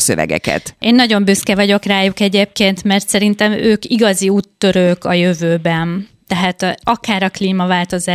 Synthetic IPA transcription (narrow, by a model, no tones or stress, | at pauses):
sø̰vɛ̰ɡɛ̰kɛ̰t̪ʔeːnːɒɟo̞mbyskɛvɒɟo̞kraːjukɛɟeːp̚keːnt̪mɛrt̪sɛɾint̪ɛmøːkiɡɒziuːt̪ːø̞ɾøːkɒjøvøːbɛn | t̪ɛɦaːt̪ɒkaːɾɒkliːmɒvaːlt̪o̞zaː